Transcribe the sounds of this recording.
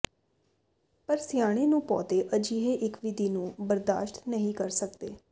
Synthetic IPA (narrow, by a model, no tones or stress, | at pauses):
pəɾsɪjaːɽ̃eːnũːpɔ̰ːt̪eːʔəd͡ʒiːɦeːʔɪkʋɪd̪ʱiːnũːbəɾd̪a̰ːʃʈ̪nəɦĩːkəɾsək̚d̪ḛː